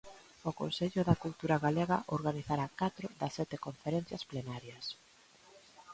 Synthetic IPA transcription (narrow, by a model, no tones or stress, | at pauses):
ʊko̰nseʎʊðɐkult̪uɾaɣaleɣɐʔoɾɣaniθaɾakat̪ɾʊðɐsːɛt̪ɪkoɱfeɾɛn̟θjɐsplenaɾjɐs